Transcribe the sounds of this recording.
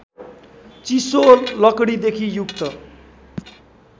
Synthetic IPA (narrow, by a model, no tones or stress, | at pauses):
t͡sisolʌkɽid̪ekʰijukt̪ʌ